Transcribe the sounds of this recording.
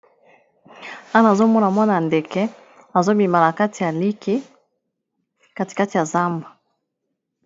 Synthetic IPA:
a˦na˨zo˦mɔ˦na˨mwa˦na˨ndɛ˨kɛ˦ | a˨zo˦bi˨ma˨la˨ka˦tʰi˨ja˨li˦ki˦ | ka˦ti̥˨ka˦ti˨ja˨za˦mba˨

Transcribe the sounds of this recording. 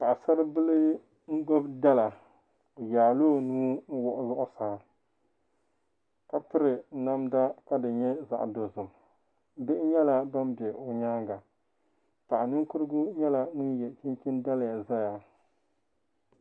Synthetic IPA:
pa˨ʔsa˦ɾɨ˦bɨ˦lɨ˦ | ŋ̩˦ɡo˦bda˦la˨ | o˨jaː˨loː˦˨nuː˦ŋ̩˦wɔ˦ʔʊ˦zʊ˦ʔʊ˦saː˨˦ | ka˨pɨ˦ɾɨ˨˦na˦mda˦ka˦dɨ˨ɲɛ˦za̰˨ʔdo˨zɨ˨m | bɪ˦ʔɪ˦ɲɛ˦la˦ba˦mbɛ˨o˨ɲaː˦ŋɡa˨ | pa˨ʔnɨ˦ŋ˦kʊ˦ɾɨ˦ɡʊ˦ɲɛ˦la˨ŋʊ˦n˦jɛ˨t͡ʃɪ˦nt͡ʃɪ˦nda˦la˨ja˨za˦ja˨

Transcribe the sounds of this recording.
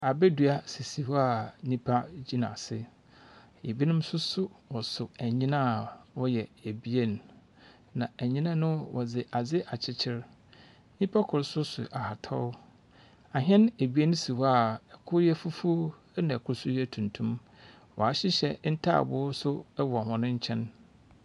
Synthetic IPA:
a˨bɛ˦dɥa˦si˨si˨wa˨nĩ˦pʰa˦d͡ʑi˦nã̰˨sɪ˦ | e˨bi˦nʊ̃˦m˦sʊ˦sʊ˦wɔ˨sʊ˨æ˨ɲĩ˦nã˦˨wɔ˦jɛ˨e˨bi˦e˦n | nã˨æ˨ɲĩ˦nã˦nʊ̃˦wʔɔ˨d͡zɪ˨ʔa˨d͡zɪ˦ʔa˨t͡ɕʰɪ˦t͡ɕʰɪ˦ɾ | ɲĩ˦pʰa˦kʰʊ˨ɾsʊ˦sʊ̰˨ʔa˨ha˨tʰɔ̰˦ʊ˦ | a˨ɦɛ̃˦ne˨bi˦e˦ñ˦si˨wa˦˨ɛ˨kʰʊ˦ɾjɛ˦fu˦fu˦ | nã˨kʰʊ˦ɾsʊ˦jɛ˦˨tʰũ˨n˨tʰũ˦m | wɔ̰˨a˨ɕɪ˦ɕɛ˦n̩˦tʰa̰˦a̰˨bʊ˨˦sʊ˦wɔ˨hɔ̃˨nʊ̃˦ɲ̩˦t͡ɕʰɛ̃˦n

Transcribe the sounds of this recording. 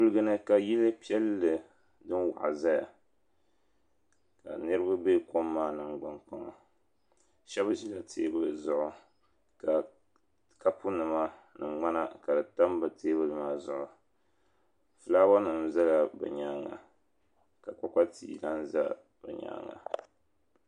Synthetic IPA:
pu˦lɨ˦ɡɨ˦nɨ˦ka˨ji˦lɨ˦pi˦ɛ˦lːɨ˨ | dɨ˦nwa̰˨ʔa˨za˦ja̰˨ | ka̰˨nɨ˦ɾɨ˦ba˦be˦ko˦mːaː˦nɨ˨mɡ͡bɨ˦nk͡pa˦ŋɔ˨ | ʃɛ˦bɨ˦ʒi˦la˦tʰeː˦bɨ˦˨zʊ˨ʔʊ˨ | ka˨ | ka˦pʰu˦nɨ˨ma˦nɨ˨ŋ͡ma˦na˦ka˨dɨ˨ta˦mbɨ˨tʰeː˦bɨ˦lɨ˦maː˦zʊ˦ʔʊ˨ | fɨ˨laː˦ba˦nɨ˨mza˦la˦bɛ̰˨ɲa˦ŋa̰˨ | ka˨k͡pa˨k͡pa˦tʰḭː˦la˦n˦za̰˦ | b̥ɛ̰˨ɲa̰ː˨˦ŋa̰˨

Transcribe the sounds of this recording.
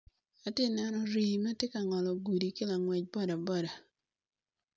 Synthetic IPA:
a˨tɪ˦nɛ˦nɔ˦ɾi˨mɛ˦tɪ˦ka˨ŋɔ˨lɔ˨ɡu˨di˨kɪ˦la˨ŋwɛ˨c̚bɔ˦da˨bɔ˦da˨

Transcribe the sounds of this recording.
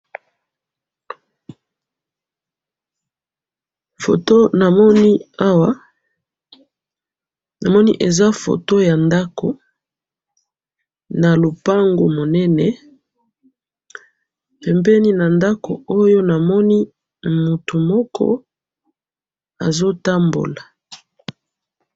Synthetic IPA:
fo̰˨to˦na˨mɔ˦ni˦a˦wa˦ | na˨mɔ˦nḭ˦ʔe˨za˦fo̰˨to˦ja˨nda˦ko̰˨ | na˨lo˨pa˦ŋɡo̰˨mo˨nɛ˦nɛ˨ | pɛ˨mbɛ˦ni˦na˨nda˦ko̰˨o˦jo˦na˨mɔ˦ni˦ | mu˨tu˨mɔ˦kʰɔ̰˦ | a̰˨zo˦ta˦mbo̰˨la˨

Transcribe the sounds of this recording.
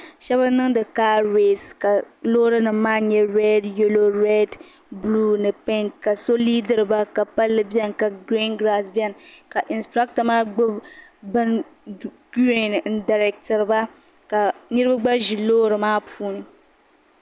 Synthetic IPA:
ʃɛ˦ba˦nɨ˦ŋ˦dɨ˨kaː˦ɾe˦˨ska˨ | lo˦ɾɨ˦nɨ˨mː˦aː˦ɲɛ˦ɾɛ˦dje˦lo˦ɾɛ˦d | blu˦nɨ˨pɛ˦ŋka˨so˦liː˦dɨ˦ɾɨ˨ba˦ka˨pa˦lːɨ˦bɛ˦nka˨ɡɾi˦nɡɾa˦sbjɛ˦n˨ka˨ʔɪ˨nstɾa˦k̚ta˨maː˦ɡ͡bʊ˦bɨ˦n | ɡɾe˦nn̩˨˦da˨ɾɛ˨k̚tɨ˨ɾɨ˨ba˦ | ka˨ni˦ɾɨ˦ba˦ɡ͡ba˦ʒi˨loː˦ɾɨ˨maː˦puː˦nɨ˨

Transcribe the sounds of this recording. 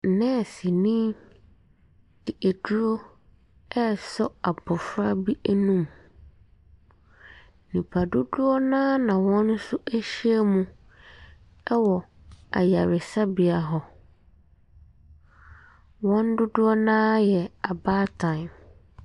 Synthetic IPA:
n̩˨nɛ̃˦˨si˨nĩː˦ | d̥ɪ˨e˨du˦ɾo˦ | ɛ˦˨sɔ˦a˨bɔ˨fɾa˦bi˦æ˦nũ˦m | nĩ˨pʰa˨dʊ˦dʊ˦ɔ˦nã˦nã˨wɔ̃˦n˦sʊ˦ʔæ˦ɕi˦e˦mũ˦ | ɛ˦wɔ˨ | a̰˨ja˨ɾɪ˨sa˦bi˨a˨ɦɔ˨ | wɔ̃˦n˦dʊ˦dʊ˦ɔ˦nãː˦jɛ˨a˨baː˦tʰã˨ɪ˨m

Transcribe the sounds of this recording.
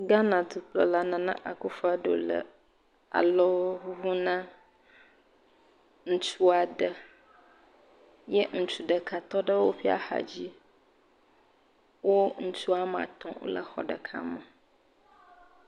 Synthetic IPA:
ɡa˦nã˨d̪u˨k͡plə̰˨la˨nã˨nã̰˦ʔa˨ku˦fa˦ɖo̰˨lə̰˨ | a̰˨lɔ˦ɦu˦nã˦ | ŋ̩˦t͡ʃu˦a˨ɖə˦ | jə˦ŋ̩˦˨t͡ʃu˨ɖə˨kʰa˨t̪ɔ˦ɖə˦wo˦ɸi˦a̰˨xa̰˨d͡ʑi˦ | wo˦ŋ̩˦t͡ʃu˦a˦mã̰˨t̪ɔ̃˨˦wo̰˦lə̰˦xɔ̰˨ɖə˨kʰa̰˦mə˨

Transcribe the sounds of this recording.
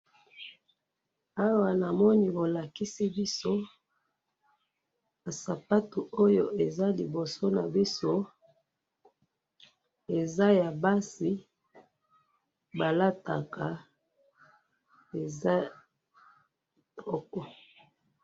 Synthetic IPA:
a˦wa˨na˨mɔ˦ni˦bo˨la˨ki˦si˦bi˦so˦ | a˨sa˨pa˦tu˨ʔo˦jo˦ʔe˨za˦li˨bo˨so˦na˨bi˦so˦ | e˨za˦ja˨ba˦si˨ | ba˨la˦ta˨ka˨ | e˨za˦˨ | tʰɔ˦kɔ˨

